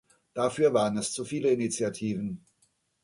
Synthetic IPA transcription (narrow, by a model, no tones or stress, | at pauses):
d̥afyːɐvaːʁənɛst͡sufiːləɪnit͡sjatʰiːvn̩